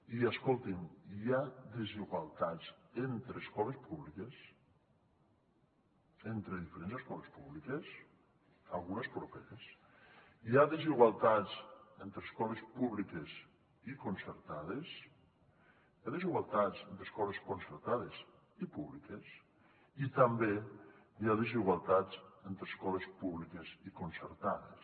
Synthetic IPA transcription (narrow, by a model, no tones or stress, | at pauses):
iaskolˠt̪iŋjaðeziɣwalˠt̪at͡sent̪ɾeːskɔlespuβlikes | ent̪ɾeðifeɾenzeskɔlespuβlikes | alˠɣunespɾopeɾes | jaðeziɣwalˠt̪at͡sent̪ɾeskɔlespuβlikes | ikonseɾt̪aðes | jaðeziɣwalˠt̪azend̪ɾeskɔleskonseɾt̪aðez | ipuβlikes | it̪ambe | jaðeziɣwalˠt̪ad͡zent̪ɾeskɔlespuβlikezikonseɾt̪aðḛs